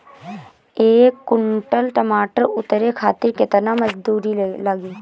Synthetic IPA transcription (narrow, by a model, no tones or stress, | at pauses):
eːkːʊɳʈəlʈɐmaːʈəɾʊt̪ɾekʰaːt̪ɪɾket̪ənamɐd͡ʒd̪uːɾiləɡiː